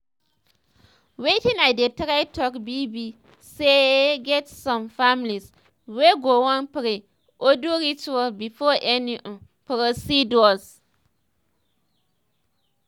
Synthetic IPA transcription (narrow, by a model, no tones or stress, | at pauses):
wetɪ̃nadetaɾaɪtʰɔkbibi | seɡɛtsɔ̃mfamliz | weɡowɔ̃npɪɾɪ | ʔoduɾit͡ʃualbifɔʔɛniʔ | pɾosidɔs